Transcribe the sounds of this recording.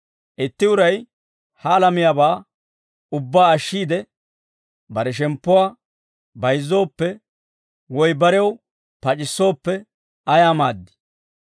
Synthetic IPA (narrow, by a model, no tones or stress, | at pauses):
ʔɪt̪ːɪʊɾɐj | hɐlɐmɪjabaː | ʊbːaːɐʃːiːd̪ɛ | bɐɾɛʃ̬ɛmpːʊwaː | bɐjzːo̞ːpːɛ | wɔjbɐɾɛw | pɐt͡ʃʼɪsːo̞ːpːɛ | ɐjaːmaːd̪ːɪ̥